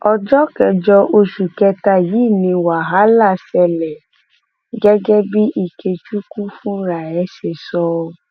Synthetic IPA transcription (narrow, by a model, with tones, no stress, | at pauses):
ɔ˧d͡ʒɔ˦kɛ˧d͡ʒɔ˧ʔo˧ʃu˨kɛ˧ta˧ji˨˦˨nĩ˧wa˨ɦa˨˦la˦˨sɛ˧lɛ˨ | ɡɛ˦ɡɛ˦bi˦ʔi˦˨ke˧t͡ʃu˦kũ˦fũ˦ɾa˨ɛ˨˦ʃe˧˨sɔ˧